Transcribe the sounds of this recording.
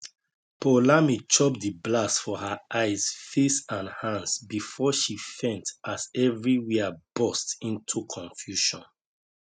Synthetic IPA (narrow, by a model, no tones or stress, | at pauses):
pʰolamit͡ʃʰɔp̚diblasfɔhəaɪz̥fesãnhãnsbifɔʃifɛ̃ntazɛvɹiwiəb̥ɔstĩntʰukʰɔ̃ɱfjuʃɔ̃n